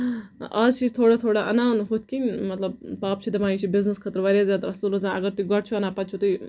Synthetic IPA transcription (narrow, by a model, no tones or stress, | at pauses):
ɐzt͡ʃʰizt̪ʰoːɽat̪ʰoːɽaʔɐnaːnɦut̪̚ʰʲkʲinʲmɐt̪lɐb̚paːp̚t͡ʃʰid̪ɐmaːjit͡ʃʰibiznəskʰɐt̪ɾʋɐɾʲjazaːt̪ɾɐsuːlɐzãnɐɡɐɾt̪uiɡɐʈt͡ʃʰuɐnapɐt̪̚t͡ʃʰut̪ui